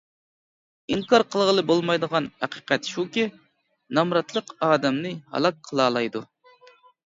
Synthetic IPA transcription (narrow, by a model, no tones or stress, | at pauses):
iŋkɑɾqʰəlˠʁəlˠɨbolˠmɑjd̪əʁɑnhæqʰi̥ːqɛt̪ʃukʲi | nɑmɾɑt̪lˠəqɑːd̪ɛmnɨhɑ̰lˠɑk̚qʰəlˠɑːlˠɑjd̪u